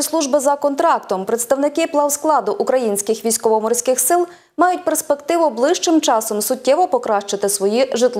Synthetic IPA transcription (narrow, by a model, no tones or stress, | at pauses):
slˠuʒbɪzɐkɔnt̪ɾɑk̚t̪ɔmpɾet̪st̪ɐwnɪkɪplˠɑwsklˠɑd̪ʊʔukɾɐjinʲsʲkɪxʋʲijsʲkɔʋɔmɔrʲsʲkɪxsɪlˠ | mɑjʊt̚ʲperspekt̪ɪʋʊblˠɪʃt͡ʃɪmt͡ʃɑsɔmsʊtʲːɛʋɔpɔkɾɑʃt͡ʃɪt̪ɪsʋɔjiʒɪt̪lˠ